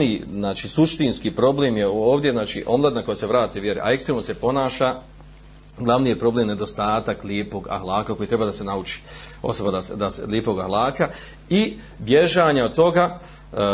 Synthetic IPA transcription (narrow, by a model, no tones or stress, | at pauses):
niznaːt͡ʃiːsuʃt̪inskipɾo̞bleːmjeoːʋd̪je̞znaːt͡ʃḭʔo̞mlˠad̪nako̞jaseʋɾaːt̪iuʋje̞ɾḛʔa̰e̞kst̪ɾemnose̞po̞naːʃa | ɡlˠaʋnije̞pɾo̞blˠeːmne̞d̪o̞st̪aːt̪akljeːpo̞ɡa̰hlˠaːkako̞jit̪ɾe̞baːd̪ase̞naut͡ʃi̥o̞̰so̞bad̪ased̪asljeːpo̞ɡahlˠaːka | i | bje̞ʒaːɲaod̪̚t̪o̞ɡa